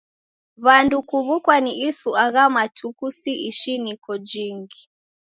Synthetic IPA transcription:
βandukuβukwaniʔisuaɣamatʰukusiʔiʃinikɔd͡ʒiŋɡi

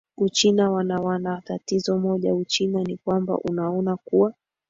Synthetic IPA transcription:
ut͡ʃinawanawanatatizɔmɔʄa̰ut͡ʃinanikwamba̰ʔunaɔnakuwa

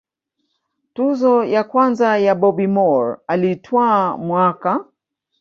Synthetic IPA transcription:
tuzɔjakwanzajaɓɔbimɔɾalitʰwamwaka

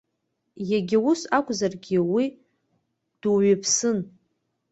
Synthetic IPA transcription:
jaɡʲɪwʊsakʷʼzarɡʲiwi | d̥uɥɪpʰsɨn

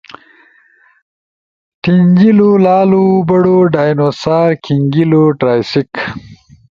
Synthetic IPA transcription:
ʈiɲɡilulaːlubɐɽoɖaːjnoːsaːɾkʰiŋɡiloʈɾaːjsik

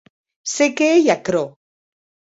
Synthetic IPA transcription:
sekeejakɾo

